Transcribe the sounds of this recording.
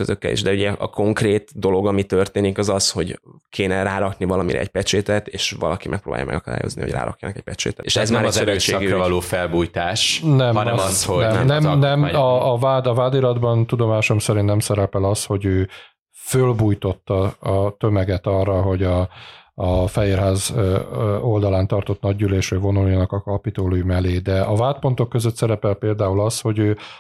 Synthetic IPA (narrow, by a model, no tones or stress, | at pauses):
køzøkːɛ̰lḭʒd̪ɛuɟɛʔɒko̞ŋkreːt̪d̪o̞lo̞ɡɒmit̪ørt̪eːnikɒzɒsho̞ɟkʰeːnɛraːɾɒknivɒlɒmiɾɛ̰ɛcpɛt͡ʃeːt̪ɛt̪eːʃʋɒ̰lɒkimʔɛkpro̰ːba̰ːjɒ̰mɛ̰ɡɒkɒd̪a̰ːjo̞̰znḭo̰ɟra̰ːɾɒ̰kjɒ̰nɒkɛc̚pɛt͡ʃḛːt̪ɛeʃɛzmɛɾmɛɾøʃeːɡɛvɒloːfɛlbuːjt̪aːʃnɛmɒnɛmɒshonɛnɛmnɛnɛmɒːvaːd̪ɒvaːd̪iɾɒd̪bɒnt̪ud̪o̞maːʃo̞msɛɾint̪nɛmsɛɾɛpɛlɒst̪ho̞ɟøː | følbuːjt̪o̞t̪ːɒɒt̪ø̞mɛɡɛt̪ɒrːɒɦo̞ɟɒɒfɛɦeːrɦaːz | o̞ld̪ɒlaːnt̪ɒrt̪o̞t̪nɒɟyleːʃrøvo̞nuljɒnɒkɒkɒpit̪oːlujmɛleːd̪ɛɒvaːt̪̚po̞nt̪o̞kːø̞zøt̪sɛɾɛpɛlpeːld̪aːulɒsho̞ɟøː